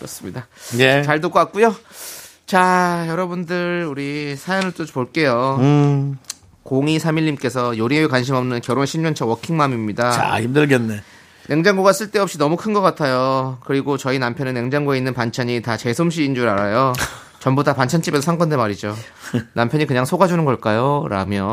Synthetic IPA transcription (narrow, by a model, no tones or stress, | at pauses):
kɯɾʌs͈ɯmɲidaet͡ɕaɭt̬ok͈ak̚k͈ujo | t͡ɕajʌɾʌbundɯɭuɾisʰajʌnɯɭt͈opoɭk͈e̞jo | koŋisʰamiʎːimk͈e̞sʰʌjoɾieekwanɕ̬ʰimʌmnɯnkjʌɾoŋeɕʰimɲʌnt͡ɕʰʌwʌkʰiŋmamimɲidaa̰kimdɯɭɡenːe | ne̞ŋd͡ʑaŋɡoɡas͈ɯɭt͈e̞ʌp̚ɕ͈inʌmukʰɯnɡʌk͈atʰajokɯɾiɡot͡ɕʌinampʰjʌnɯnːe̞ŋd͡ʑaŋɡoe̞inːɯnpant͡ɕʰaɲitat͡ɕe̞sʰomɕ̬ʰiːnd͡ʑuɾaɾajo | t͡ɕʌmbudapant͡ɕʰant͡ɕ͈ʰibe̞sʰʌsʰaŋkʌndemaɾid͡ʑo | nampʰjʌɲikɯɲaŋsʰoɡad͡ʑunɯnɡʌɭk͈ajoɾa̰mjʌ